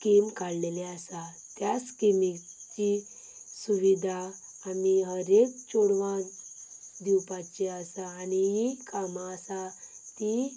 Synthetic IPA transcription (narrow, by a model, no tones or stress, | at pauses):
kimkaɽlelɛasa | t̪jaskimit͡ɕi | suʋid̪ʱaː | miɦəɾek̚t͡ɕoɽʋã | d̪iwpat͡ɕeəsaːniɦikamaəsa | t̪i